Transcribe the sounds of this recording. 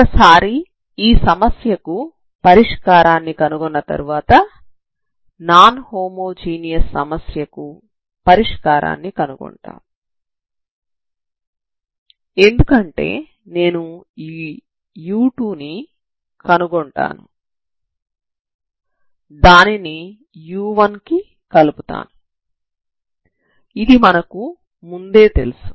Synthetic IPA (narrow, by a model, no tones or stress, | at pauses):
ɐsaːɾi | iːsɐmɐsjɐku | pɐɾiʂkaːɾaːnːikɐnuɡɔnːɐt̪ɐ̰ɾuʋaːt̪ɐ | naːnhoːmoːd͡ʒiːnijɐsːɐmɐsjɐku | pɐɾiʂkaːɾʔa̰ːnːikɐnuɡɔ̰ɳʈa̰ːnu | e̞nd̪ukɐɳʈe̞̰ː | ne̞ːnuiː | juːʈuːni | kɐnuɡoɳʈa̰ːnṵ | d̪aːnini | juːʋɐnki | kɐluput̪a̰ːnu | id̪imɐnɐku | mund̪e̞ːt̪e̞̰lusu̥